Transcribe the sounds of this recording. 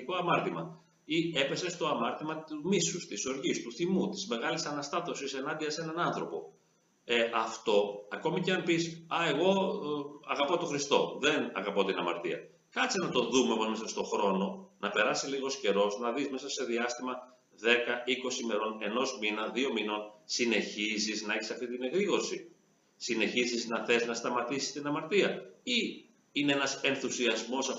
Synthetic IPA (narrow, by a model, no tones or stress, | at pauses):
ikoɐmɐɾt̪imɐ | ie̞pe̞se̞st̪oɐmɐɾt̪imɐt̪umisust̪iso̞ɾʝist̪uθimut̪i̥zme̞ɣɐlisɐnɐst̪ɐt̪o̞sise̞nɐnd̪iɐse̞nɐnɐnθɾo̞po̞̰ | eʔɐft̪o̞ɐko̞miceɐnpisɐe̞ɣo̞ | ɐɣɐpo̞t̪o̞xɾist̪o̞̰ðe̞nɐ̰ɣɐpo̞t̪inɐmɐ̰ɾt̪iɐ̰ | kɐt͡sinɐt̪o̞ðumeopozmesɐst̪o̞xɾo̞no̞nɐpe̞ɾɐsiliɣo̞sce̞ɾo̞znɐðizme̞sɐse̞ðiɐst̪imɐ | ðe̞kɐiko̞sime̞ɾo̞ne̞no̞zminɐðio̞mino̞nsine̞çiziznɐeçisɐft̪it̪ine̞ɣɾiɣo̞ɾsi | sine̞çiziznɐθe̞znɐst̪ɐmɐt̪isi̥st̪inɐmɐɾt̪iɐi | ineenɐse̞nθusiɐzmo̞sɐ